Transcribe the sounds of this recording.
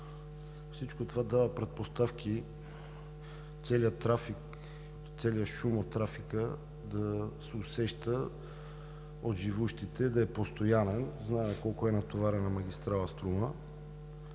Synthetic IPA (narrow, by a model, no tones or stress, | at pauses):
fsit͡ʃkot̪ovad̪avəpɾɛt̪̚post̪afki | t̪sɛliət̪ɾafik | t̪sɛliəʃumot̪ːɾafikə | d̪ɐsɛʊsɛʃt̪ə | ot̪ʒivuʃt̪it̪ɛd̪ɐɛpost̪ojanɛnznamɛkɔlˠkoɛnɐt̪ovaɾɛnɐmɐɡ̟ʲist̪ɾalˠəst̪ɾumə